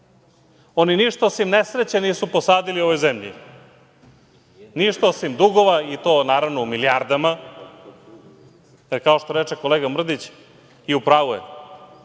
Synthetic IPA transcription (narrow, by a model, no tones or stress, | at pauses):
oniniʃt̪aosimnesɾet͡ɕeniːsuposaːd̪ilioʋo̞jzemʎḭ | niʃt̪aosimd̪uɡoʋait̪oːnaːɾaʋnoumiliaɾd̪ama | jeɾkao̞ʃt̪o̞ɾet͡ʃeko̞leɡamr̩d̪it͡ɕ | iupɾaːʋuḛ